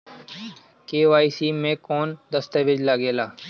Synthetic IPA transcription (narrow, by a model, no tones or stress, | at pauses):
keːʋaːisiːmẽːkoːnd̪əst̪əʋɪd͡ʒlaːɡeːlaː